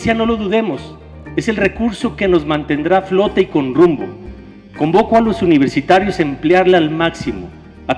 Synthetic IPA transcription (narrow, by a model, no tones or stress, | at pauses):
sjano̞lo̞ðuðe̞mo̞s | e̞se̞lre̞kuɾso̞keno̞zmãnt̪e̞nd̪ɾaflo̞t̪aiko̞nrumbo̞̰ | ko̞mbo̞koalo̞suniβ̞e̞ɾsit̪aɾjo̞se̞mpljaɾlealmaksimo̞̰ | a